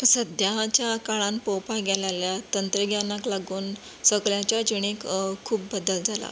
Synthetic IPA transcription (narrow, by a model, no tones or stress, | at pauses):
səd̪jat͡ɕjakaɭãnpowpaɡʱɛljaljat̪ənt̪ɾəɡʱjanaklaɡuːn | səɡɭjãt͡ɕjad͡ʑuɽ̃ekkʰːuːpːəd̪əld͡zʱala̰